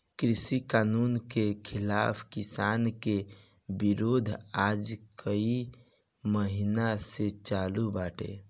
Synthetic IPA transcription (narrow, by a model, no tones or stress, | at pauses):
kɾisikaːnunkekʰilaːpʰkisaːnke | biɾod̪ʱad͡ʒkʰəi | məɦinaset͡ʃalubaʈḛ